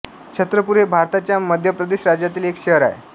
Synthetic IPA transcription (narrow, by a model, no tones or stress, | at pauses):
kɕʰət̪ɾəpuɾebʱaɾt̪at͡ɕjaməd̪ʱjəpɾəd̪eɕɾad͡ʑjat̪iːlekɕeɦəɾa̰ḛ